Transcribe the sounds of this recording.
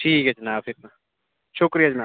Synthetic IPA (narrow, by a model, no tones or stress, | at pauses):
ʈʰiːkɛd͡ʒnaːpʰɪɾna | ʃʊkɾijad͡ʒnaː